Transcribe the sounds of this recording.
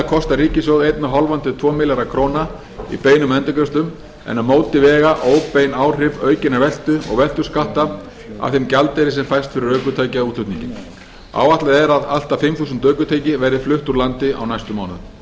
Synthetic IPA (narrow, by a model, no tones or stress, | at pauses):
kʰɔst̪aɾiːcɪsɔɣðejt̪naɦɔlvant̪ʏt̪ʰvɔːmɪlaɾakʰɾoːwna | ḭpeːjnʏmɛnt̪ʏkɾɛst̪ʏm | ɛ̰namoːwt̪ɪvɛːɣaʔoːwpejnaːwr̥ɪvœːɥcɪnavɛl̥t̪ʏɔ̰ɣvɛl̥t̪ʏskaht̪a | a̰θɪmcalt̪ɛɾɪsɛmfajst̪fɪɾɪɾœːkʏt̪ʰaːjcauːt̪ʏt̪nḭ̃ɲcɪn | a̰ːwat̪laðɛɾaðal̥t̪afɪmθuːsʏnt̪œːɥkʏt̪ʰaːjcɪvɛːɾɪflʏht̪uɾlant̪ɪa̰wnajst̪ʏmaːwnʏ̰ð